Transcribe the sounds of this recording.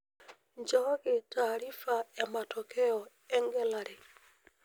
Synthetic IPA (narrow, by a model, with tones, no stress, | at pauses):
ɲd͡ʒɔ˦ɣɪ˨ta˨ɾi˦fa˨ɛ˨ma˨tʰɔ˨kʰɛ˦ɔ˨ | ɛ˦ŋɡɛ˦la˨ɾe˨